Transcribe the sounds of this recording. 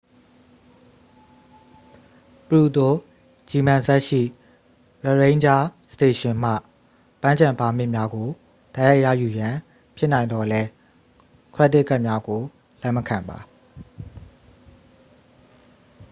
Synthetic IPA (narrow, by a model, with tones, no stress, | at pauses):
pəɹu˨t̪o˦˨ | d͡ʑi˨mã˨zɛ˦ʔʃḭ˦˨ | ɹɛ˨ɹẽ˦ɲd͡ʑa˦səte˨ʃɪ̃˨m̥ä̰˦˨ | pã˦ɲd͡ʑã˨mpa˨m̥ɪ˦ʔmja˦ɡo˨ | d̥a˦ja˦ɪʔjä̰˦˨ju˨jã˨ | pʰjɪ˦ʔnã˨ɪ̃nd̪ɔ˨lɛ˦ | kʰɹt̪ːɪ˦˨kːa˦ʔmja˦ɡo˨ | lɛ˦˨məkʰã˨mba̰˨